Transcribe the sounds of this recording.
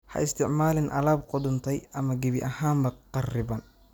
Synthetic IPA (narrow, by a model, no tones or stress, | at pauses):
hɐ̰ʔɪst̪ʰɪʕmaːlɪnʔɐ̰laːbqʊd̪ʊnt̪ʰɛjɐmɐɡɛβɪʔɐhaːmbɐqɑrɪbɐn